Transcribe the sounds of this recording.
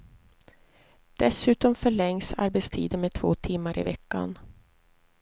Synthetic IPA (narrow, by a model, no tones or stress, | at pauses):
d̪̥ɛsʉ̟ːt̪ɔmfœɭɛŋsa̰ɾbɛt̪st̪ʰḭːd̪ənmeːt̪ʰvo̰ːt̪ʰɪmːaɾʔɪ̰vɛkːa̰n